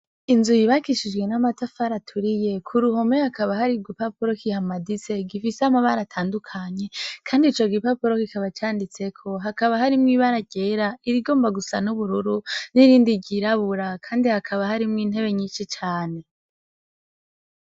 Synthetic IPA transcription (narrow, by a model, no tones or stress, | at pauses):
inzujiβakiʃid͡ʒɡwe̞namatafaɾatʰuɾije̞kʰuɾuho̞mehakaβahaɾiɡipapuɾo̞kihamadise̞ɡifiseamaβaɾatʰaːndukʰaɲe̞kʰaːndit͡ʃoɡipapuɾo̞kikaβat͡ʃaːndit͡se̞kʰo̞ɦakaβaɦaɾimŋiβaɾaɟeːɾaiɾiɡo̞ːmbaɡusanuβuɾuɾuniɾiːndiɡiɾaβuɾakʰaːndihakʰaβahaɾimŋiːn̥he̞βe̞ɲiːʃit͡ʃaːne̞